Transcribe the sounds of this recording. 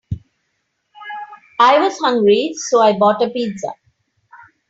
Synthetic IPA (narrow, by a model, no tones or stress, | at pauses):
aɪwɔzhʌ̃ŋɡɹisoːaɪbɔʈəpidza̰